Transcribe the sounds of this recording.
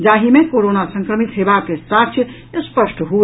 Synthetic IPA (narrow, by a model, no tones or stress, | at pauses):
d͡ʒaɦimekoɾonasə̃ŋkɾəmit̪ɦebakesat̪ʰjə | spəsʈɦo